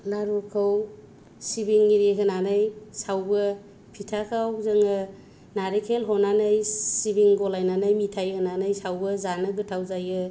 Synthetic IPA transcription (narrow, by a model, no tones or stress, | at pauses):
laɾukʰɯw | sibiŋːiɾeɦɯnanɯjsawbɯ | pʰitʰakʰawzɯŋɯ | naɾekʰelɦɔnanajsibiŋɡɔlajnanɯjmitʰajhɯnanɯjsawbɯzanɯɡɯtʰawzajɯ